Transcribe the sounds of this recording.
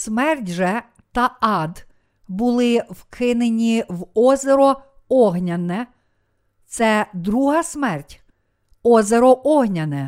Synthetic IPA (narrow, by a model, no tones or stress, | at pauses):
smɛrtʲʒɛ | t̪ɐɑd̪ | bʊlˠɪwkʰɪnenʲiwɔzʲeɾɔ | ɔɦnʲɐnɛ | t̪sɛd̪ɾuɦɐsmɛrtʲ | ɔzʲeɾɔʔɔɦnʲɐnɛ